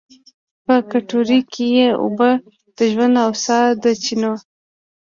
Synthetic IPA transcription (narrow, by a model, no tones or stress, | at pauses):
pəkaʈoɾikʰejeʊ̰bə | d̪̥əʒwand̪awsɑd̪ət͡ʃino